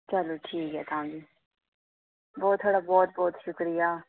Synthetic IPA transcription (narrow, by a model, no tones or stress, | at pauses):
t͡ʃəloʈʰiːkɦɛːt̪ãːɡiː | bɔːt̪ʰːoːɽaːbɔːt̪̚bɔːt̪ʃʊkɾɪjaː